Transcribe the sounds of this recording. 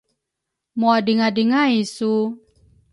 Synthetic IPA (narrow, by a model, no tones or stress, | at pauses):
moadiŋadiŋaisu